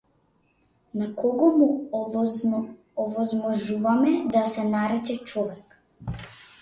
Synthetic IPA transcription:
nakɔɡɔmu | ɔvɔzmɔʒuvamɛd̪asɛnaɾɛt͡ʃɛt͡ʃɔvɛk

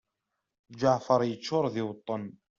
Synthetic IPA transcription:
d͡ʒaʕfɑɾˤjət͡ʃːʊɾˤðiwt̪ˤːɑn

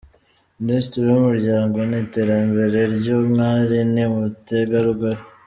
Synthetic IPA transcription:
ministɾijumuɾɟaːŋɡo̞niːte̞ːɾambe̞ɾe̞ɾɟoːmŋaːɾinimuteɡaɾuɡaɾi

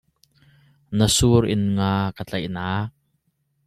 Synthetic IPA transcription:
nəsuɾʔɪ̰nŋaːkət͡ɬɐjʔnaː

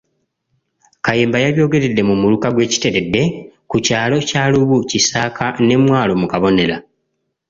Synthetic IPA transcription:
kajeːmbajaβjo̞ːɡe̞ɾe̞dːe̞mumulukaɡwe̞ːci̥te̞ɾe̞dːe̞kucaːlo̞caːluβucisaːkʰane̞mwaːlo̞mukaβo̞ne̞la

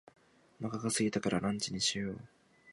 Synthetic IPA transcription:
makakasɨɡʲit̪akaɾʔanãɲt͡ɕiɲ̟iɕijoː

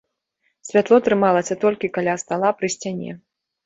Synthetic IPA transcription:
sʲvʲat̪lˠɔt̪ɾɨmalˠɐsʲɐt̪ɔlʲkʲikalʲast̪alˠapɾɨsʲt͡sʲanʲɛ̰

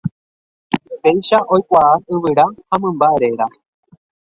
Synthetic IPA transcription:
pejʃaʔo̞jkʷaaɨʋɨɾahãmɨ̃mbaeɾe̞ɾa

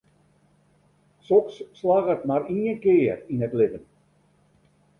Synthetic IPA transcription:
sɔksːlaɣətmaɾiənkɪərinətlɪvən

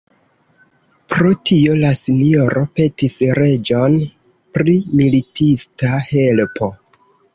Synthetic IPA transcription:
pɾo̞tʰiolasinio̞ɾʔo̞pe̞tisɾe̞d͡ʒo̞n | pɾimilitʰistahe̞lpʰo̞

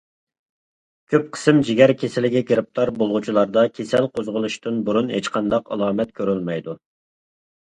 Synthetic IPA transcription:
kʲʰøp̚qʰə̥sɨmd͡ʒiɡʲɛɾkʲʰesɪlɪɡʲɛkʲʰeɾɪp̚t̪ʰɑɾbolˠʁut͡ʃʰilˠɑɾd̪ɑkʲʰesɛlqʰozʁəlˠuʃt̪ɨnbuɾunhḛt͡ʃqʰɑnd̪ɑqɑ̰lˠɑːmɛt̪kʲʰøɾylmɛjd̪u

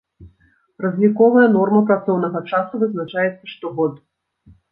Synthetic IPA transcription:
rɐzʲnʲikɔvɐjɐnɔrmɐpɾat̪sɔwnɐɣɐt͡ʂasuvɨznat͡ʂajɛt̪sːɐʂt̪ɔɣɔt̪

